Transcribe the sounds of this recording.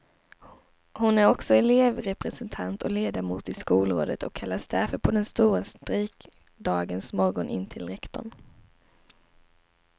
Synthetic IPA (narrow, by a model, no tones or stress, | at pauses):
hʊnæɾɔksɔɛleːvɾɛpɾɛsɛnt̪ʰant̪ʰɔkleːd̪amuːt̪ɪskuːlɾo̰ːd̪ət̪ʰɔ̰kʰːalːasd̪æɾfəɾpʰɔd̪ɛnst̪uːɾast̪ɾiːk | d̪ɑːɡənsmɔɾɡɔnʔɪ̰nt̪ʰɪlɾɛkt̪ɔ̰ɳ